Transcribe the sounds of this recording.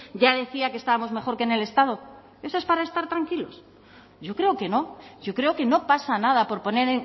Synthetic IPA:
ʝaðe̞θiakest̪aβamo̞zme̞xo̞ɾkene̞le̞st̪að̞o̞ | e̞so̞espaɾaest̪aɾt̪ɾaŋkilo̞s | ɟ͡ʝo̞kɾe̞oke̞no̞ʝo̞kɾe̞oke̞no̞pasanaðapo̞ɾpo̞ne̞ɾ

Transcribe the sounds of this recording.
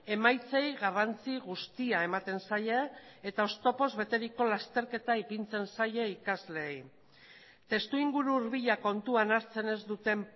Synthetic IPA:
e̞majt͡se̞jɣarant͡siɣust̪iae̞mat̪e̞nsajeːt̪ao̞st̪o̞po̞zβe̞t̪e̞ɾiko̞last̪e̞ɾke̞t̪aipint͡se̞nsaje̞ikazle̞ːj | t̪e̞st̪uiŋɡuɾuːɾβiʎako̞nt̪uanaɾt͡se̞ne̞zd̪ut̪e̞m

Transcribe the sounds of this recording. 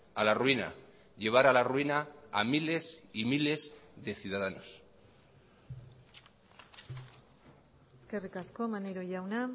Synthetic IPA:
alaruina̰ | ʎe̞β̞aɾalaruinaːmile̞simile̞zðe̞θjuðaðano̞s | eske̞rikaskomaneɾoʝawna

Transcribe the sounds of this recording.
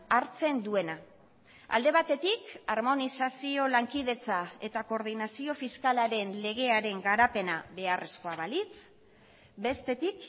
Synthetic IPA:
aɾt͡se̞nd̪ue̞na | a̰ld̪e̞β̞at̪e̞t̪ikaɾmo̞nisasio̞laŋkiðe̞t͡sae̞t̪ako̞ɾð̞inasio̞fiskalaɾe̞nle̞ɣ̞e̞aɾe̞ŋɡaɾape̞naβe̞arʔe̞sko̞aβalit͡s | be̞st̪e̞t̪ik

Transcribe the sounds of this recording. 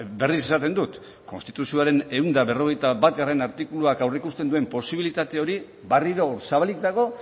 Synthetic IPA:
be̞rise̞sat̪e̞nd̪ut̪ | ko̞nst̪it̪usioaɾe̞ne̞und̪aβe̞ro̞ɣ̞e̞jt̪aβat̪ɡare̞naɾt̪ikuluakawreikust̪e̞nd̪ue̞mpo̞siβ̞ilit̪at̪e̞o̞ɾi | bariɾo̞saβalik̚d̪aɣ̞o̞

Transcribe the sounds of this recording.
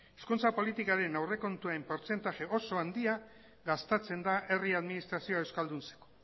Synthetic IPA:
eskunt͡sapo̞lit̪ikaɾe̞nawre̞ko̞nt̪uaempo̞ɾt͡se̞nt̪aʝe̞ʔo̞so̞and̪ia | ɡast̪et͡se̞nd̪aʔe̞riaðminist̪ɾasio̞e̞wskald̪unt͡se̥ko̥

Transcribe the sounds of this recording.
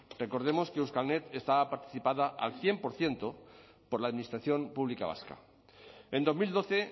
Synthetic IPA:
rre̞ko̞ɾð̞e̞mo̞ske̞uskalne̞t̪e̞st̪aβapaɾt̪i̥θipaðaʔa̰lθje̞mpo̞ɾθjent̪o | po̞ɾlaːðminist̪ɾaθjo̞mpuβlikaβ̞a̰ska̰ | e̞nd̪o̞zmild̪o̞θe̞

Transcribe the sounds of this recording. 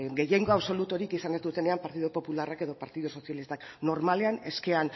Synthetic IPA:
ɡe̞jeŋɡo̞aβso̞lut̪oɾikisanezd̪ut̪e̞ne̞ampaɾt̪iðopo̞pularake̞ðo̞paɾt̪iðuso̞sijalist̪akno̞ɾmale̞ane̞ske̞an

